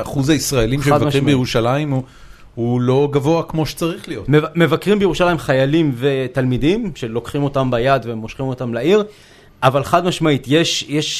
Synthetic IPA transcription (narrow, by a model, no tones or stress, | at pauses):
aχuzaisʁaelimʃead̪vaʁimbejeʁuʃalaim | hulo̞ɡavo̞akmo̞ʃe̥t͡saʁiχlijo̞tmevme̞vakʁimbejeuʃalajimχajalimve̞t̪almidimʃe̞lo̞kχimo̞tambajad̪ve̞mo̞ʃχimo̞t̪amlaiʁ | ʔavalχadmaʃmaitjeʃjeʃ